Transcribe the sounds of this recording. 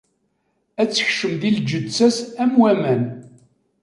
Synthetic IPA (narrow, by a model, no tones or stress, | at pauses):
æt͡sːə̥çʃəmðild͡ʒəd̪t͡sːæsæmwæmæn